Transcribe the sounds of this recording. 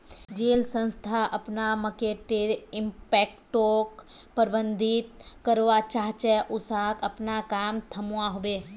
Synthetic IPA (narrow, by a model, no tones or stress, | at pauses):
d͡ʒeːlsə̃nst̪ʰaʔəpnaməkeʈeɪmpɛkʈokpəɾbənd̪ʱit̪kəɾʋat͡ʃaɦt͡ʃɛʔusakəpnakaːmt̪ʰəmwaɦobe